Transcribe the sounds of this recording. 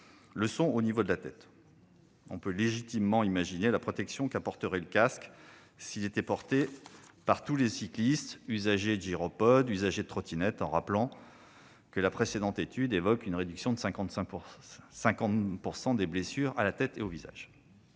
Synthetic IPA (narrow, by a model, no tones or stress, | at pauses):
ləsɔ̃onivod̪əlat̪ɛ̰t̪ | ɔ̃pøleʒit̪imːɑ̃imaʒinelapχɔt̪ɛksjɔ̃kapɔʁt̪əʁɛləkask | silet̪ɛpɔʁt̪epaʁt̪ulesiklist̪yzaʒed̪ʒiʁɔpɔd̪yzaʒed̪t̪χɔt̪ʰinɛt̪ɑ̰̃ʁaplɑ̃ | kəlapχesed̪ɑ̃t̪et̪yd̪evɔkynʁed̪yksjɔ̃d̪əskɑ̃ɛ̃ | sɛ̃kɑ̃t̪puʁsɑ̃d̪eblesyʁalat̪ɛt̪eoviza̰ʒ